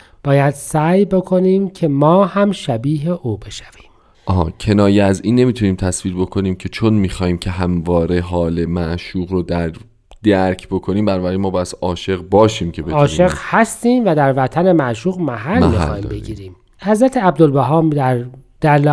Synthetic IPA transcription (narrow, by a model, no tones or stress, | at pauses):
b̥ɒːjæd̪̥sæjbe̞kʰo̞niːmcʰe̞mɒːhæmʃæbiːɦeʔuːbe̞ʃæ̥v̥i̥ːm | ʔɒɦcʰe̞nɒːjeæziːnːe̞miːt̪ʰuniːmt̪ʰæsviːɾbo̞kʰo̞niːmcʰe̞t͡ʃʰonmiːxɒːhiːmcʰe̞ɦæmvɒːɾe̞ɦɒːle̞mæʔʃuːɣɾod̪æɾ | d̪̥æɾcʰbo̞kʰo̞niːmbænɒːbæɾemɒːbɒːjæd̪̥ʔɒːʃe̞ɣbɒːʃiːmcʰe̞beɒːʃe̞ɣhæst̪iːmvæd̪æɾvæt̪ʰæne̞mæʔʃuːɣmæɦælmixɒːḭːmbe̞ɡiːɾiːm | hæzɾæt̪ʰeæb̚d̪olbæɦɒːmd̪æɾd̪̥æɾl